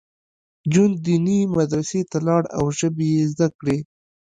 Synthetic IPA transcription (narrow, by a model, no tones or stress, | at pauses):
d͡ʒund̪inimad̪ɾaset̪alɑɽa̰wʒəbejezd̪akɽe